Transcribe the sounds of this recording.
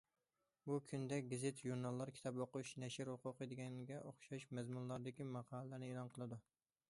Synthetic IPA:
bukʲʰynd̪ɛk̚ʲɡɪzet̪ʒuɾnɑlˠːɑɾkʲʰi̥t̪ʰɑboqʊʃnɛʃɪɾhoqʰʊqəd̪ɪɡʲɛŋɡʲɛʔoχʃɑʃmɛzmunlˠɑɾd̪ɪkʲimɑqʰɑːlˠlæɾnɪeːlˠɑnqʰəlˠɨd̪u

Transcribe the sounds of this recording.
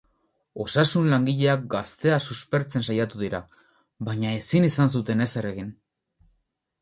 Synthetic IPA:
o̞sasunlaŋɡiʎe̞ak̚ɡast̪e̞asuspe̞ɾt͡se̞nsajat̪uðiɾa | βaɲae̞sinisans̬ut̪e̞ne̞sere̞ɣin

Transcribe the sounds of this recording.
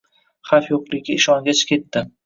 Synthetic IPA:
χafjoqlˠɪɡʲɪɪʃɒŋɡʲat͡ʃʰkʲʰe̞t̪ːɪ

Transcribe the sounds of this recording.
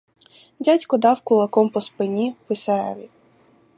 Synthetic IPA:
dʲatʲkɔd̪ɑwkʊlˠɐkɔmpɔspɪnʲipɪseɾɛ̰ʋʲi

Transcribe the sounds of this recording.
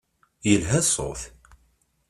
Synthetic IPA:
jəlɦæsˤo̰θ

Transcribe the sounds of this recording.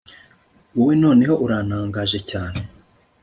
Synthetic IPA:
uweno̞ːne̞ho̞ʔuɾaːnaːŋɡaʒe̞caːne̞

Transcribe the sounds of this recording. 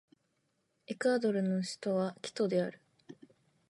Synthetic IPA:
ekɯ̟ad̪o̞ɾɯ̟no̞ɕi̥t̪o̞βakʲi̥t̪o̞d̪e̞aɾɯ̟

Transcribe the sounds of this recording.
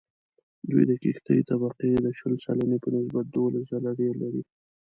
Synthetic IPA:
d̪ṵjd̪əkixt̪ajit̪abaqid̪əʃəlsa̰lanepənɪs̬bat̪̚d̪olaszalaɖeɾlaɾi

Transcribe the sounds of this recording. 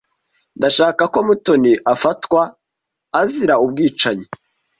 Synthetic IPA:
ndaʃaːkako̞mutoniʔafatwaː | ziɾaubɡiːt͡ʃaɲi

